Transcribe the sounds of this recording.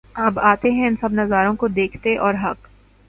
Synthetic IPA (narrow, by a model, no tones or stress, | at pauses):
ɐbaːt̪eɦɛ̃ɪnsɐbnɐzaːɾõkod̪eːkʰt̪eʔɔːɾɦɐk